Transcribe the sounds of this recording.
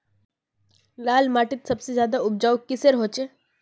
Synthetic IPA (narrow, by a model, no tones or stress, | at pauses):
lalmaʈiːt̪səbsezjad̪aub̚d͡ʑawkːiseɾɦot͡ɕe